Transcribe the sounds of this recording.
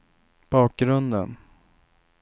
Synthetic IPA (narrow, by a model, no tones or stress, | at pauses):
b̥ɑːk̚ɡɾɵnd̪ə̰n